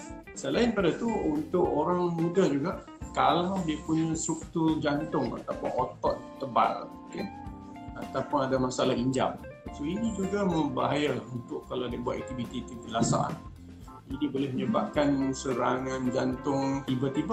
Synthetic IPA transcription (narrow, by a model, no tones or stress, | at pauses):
səlaɪnpadat̪uunt̪ʊʔoɾaŋmudad͡ʒuɡaʔ | kalawdiəpuɲãsuk̚t̪ud͡ʒant̪ʊŋa̰t̪apʊnot̪ɔt̪ːəba̰rmkan | at̪apʊnadamasalahiɲd͡ʒa̰msoinid͡ʒuɡaməmba̰ɦajaunt̪ʊkːalawdiəbuat̪̚ɛk̚t̪ifit̪it̪iɡəlasa̰ʔa̰n | idiəbolɪhməɲəbap̚kansəɾaŋãnd͡ʒant̪ʊŋt̪ibat̪iba